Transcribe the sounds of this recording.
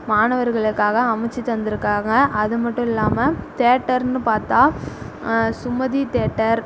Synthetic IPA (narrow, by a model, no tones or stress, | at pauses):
maːnɐʋɐɾɣɐɭɯkːaːɣɐɐmɐt͡ʃːit̪ɐnd̪ɪɾɯkːaːɣɐʔɐðɯmɐʈːʊ̃ɪlːaːmɐt̪eːʈːɐɾnɯpaːɾt̪aː | sʊmɐðit̪eːʈːɐɾ